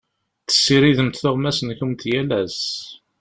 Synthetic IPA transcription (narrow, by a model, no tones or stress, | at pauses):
θə̥sːiɾiðəmt̪θʊʁmæsənçəmt̪jælæz